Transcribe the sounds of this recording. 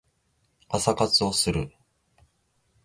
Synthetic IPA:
asakat͡sɨo̞sɨɾɯ̟

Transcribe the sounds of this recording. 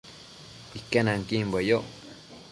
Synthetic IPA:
ikenaŋkimbejo

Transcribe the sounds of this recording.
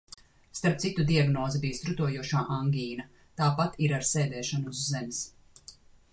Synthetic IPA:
st̪aɾp̚t̪sit̪ud̪iaɡnɔːzibiːst̪ɾut̪uɔjuɔʃaːʔaŋɡʲiːna | t̪aːpat̪iɾaɾsɛːd̪ɛːʃanuzːɛms

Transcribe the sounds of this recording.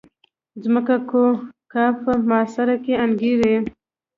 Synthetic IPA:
zməkakokɑpəmɑːsaɾakeanɡiɾe

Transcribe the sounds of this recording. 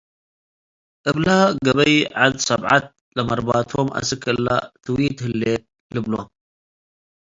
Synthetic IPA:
ʔɨβlaɡɐβɐjʕad̪sɐβʕat̪̚ | lɐmɐɾbat̪ʰomʔa̰sɨkʰɨlːa̰t̪ʰɨwit̪hɨlːe | lɨblo

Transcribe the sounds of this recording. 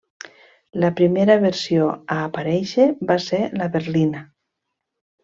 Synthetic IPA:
ləpɾimeɾəβeɾsioaːpaɾɛʃebaselaβeɾlina

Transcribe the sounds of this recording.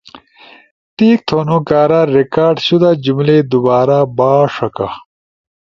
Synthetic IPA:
t̪iːk̚t̪ʰonukaːɾaɾekaːɾɖɕud̪ad͡ʑumled̪ubaːɾabaːʂɐka̰

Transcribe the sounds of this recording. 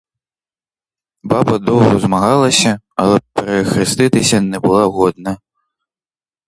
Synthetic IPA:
babɐd̪ɔwɣɔzmaɣalˠɐsʲɐ | ɐlˠɛpɛɾɛxɾɨst̪ɪt̪ɪsʲɐnɛbʊlˠaɣɔd̪̚nɐ

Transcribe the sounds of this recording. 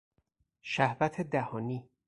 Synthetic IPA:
ʃæhvæt̪ʰed̪æhɒːniː

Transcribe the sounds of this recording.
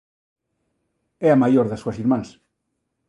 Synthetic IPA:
ɛamajoɾðasuɐsiɾmãŋs

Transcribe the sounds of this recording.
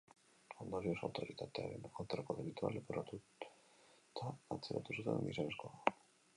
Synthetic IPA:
ond̪oɾiosawt̪oɾit̪at̪eaɾenolt̪ɾakoðeβit̪ua̰loperat̪u | t̪ʰaːt͡seɾa̰t̪usut̪ḛnnḭsaneskoa

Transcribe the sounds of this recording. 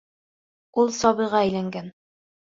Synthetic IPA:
ulˠsɒβɤ̆jʁɑæjlæŋɡæn

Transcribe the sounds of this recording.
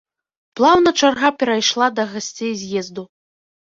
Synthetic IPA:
plˠawnɐt͡ʂarɣapʲɛɾajʂlˠad̪ɐɣasʲt͡sʲejzʲjɛzd̪u

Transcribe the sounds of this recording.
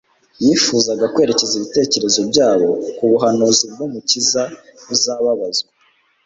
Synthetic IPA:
jifuːzaɡakwe̞ːɾe̞ceziβite̞ːce̞ɾe̞zo̞bɟaːβo̞kuβuɦanuzibɡumucizauzaβaβazɡa

